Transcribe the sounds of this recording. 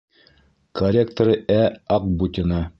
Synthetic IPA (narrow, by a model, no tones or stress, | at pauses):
kɐrʲek̚t̪oɾɤæɑqbut̪ʲɪnɑ